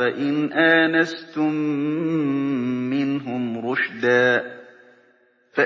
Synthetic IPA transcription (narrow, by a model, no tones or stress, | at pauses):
aʔɪnʔaːnast̪ʊm | ɪnɦʊmɾʊʃd̪aː | fa